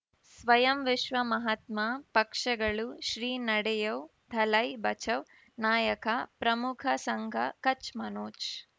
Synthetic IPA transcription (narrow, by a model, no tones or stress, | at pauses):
sʋɐjɐmʋiʃʋɐmɐɦɐt̪maːpɐkʂɐɡɐɭuʃɾiːnɐɽɛjɐwd̪ʱɐlɐjbɐt͡ʃɐʋ | naːjɐkɐpɾɐmukʰɐsɐŋɡʱɐkɐt͡ʃmɐnoːt͡ʃ